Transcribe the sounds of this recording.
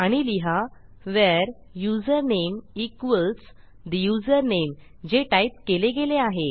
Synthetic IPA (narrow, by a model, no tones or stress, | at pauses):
aɽ̃iliɦaʋɛɾ | jud͡zəɾnemikʋəlt͡s | d̪əjud͡zəɾnem | d͡ʑeʈaip̚keleɡeleaɦe